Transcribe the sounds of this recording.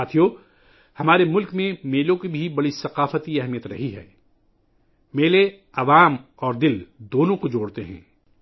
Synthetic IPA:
aːt̪ʰijo | hɐmaːɾemʊlkmẽmeːlõkibʱibɐɽisɐqaːfət̪iɛɦmijət̪ɾɐ̰ɦiɦɛ̰ː | meːle | ɐʋaːm | ɔːɾd̪ɪld̪oːnõkod͡ʒoːɽt̪eɦɛ̰̃ː

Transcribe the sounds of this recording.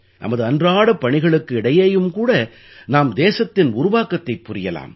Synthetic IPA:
nʔɐ̰mɐðɯɐndraːɽɐpːɐɳɪɣɐɭɯkːɯɪɽɐjeːjɯmkuːɽɐ | naːmd̪eːsɐt̪ːɪnʊɾʊʋaːkɐt̪ːɐɪpːʊɾɪjɐla̰ːm

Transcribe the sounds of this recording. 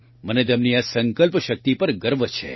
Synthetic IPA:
mənet̪̬emniasə̃ŋkəlpʃək̚t̪ipəɾɡəɾʋət͡ʃʰḛ

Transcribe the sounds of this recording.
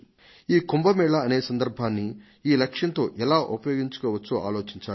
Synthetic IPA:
iːkumbɐmɛːɭɐɐne̞ːsɐnd̪ɐɾbʱaːnːi | iːlɐkʂjɐnt̪o̞ːʔɛlaːʔupɐjo̞ːɡiɲt͡ʃu̥kɔːʋɐt͡ʃːuʔa̰ːlo̞ːt͡ʃiɲt͡ʃaː

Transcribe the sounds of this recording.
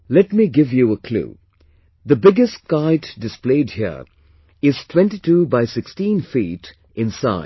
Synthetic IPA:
lɛtmiɡɪvjuəkʰlṵː | ðəbɪɡəstkaɪtdɪspleɪdhiə̰ | ɪz̥tʰwɛ̃nʈitʰubaɪsɪkstĩːnfiːt | ʔɪ̃nsa̰ɪ

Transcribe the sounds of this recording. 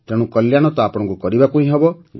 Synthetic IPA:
t̪eɽ̃ũkɔljaɽ̃ɔt̪ɔapɔɽ̃ɔ̃ŋkukɔɾibakuĩɦebɔ

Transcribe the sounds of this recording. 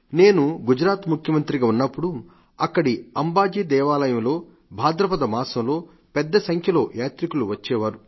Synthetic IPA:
ne̞ːnuɡud͡ʒɾaːt̪mukʰjɐmɐnt̪ɾiɡaːunːɐpːuɽu | ɐkːɐɽiɐmbaːd͡ʒiːd̪ɛːʋaːlɐjɐmlo̞ː | bʱaːd̪ɾɐpɐd̪ɐmaːsɐmlo̞ː | pɛd̪ːɐsɐŋkʰjɐlo̞ːjaːt̪ɾikuluʋɐt͡ʃːɛːʋaːɾu

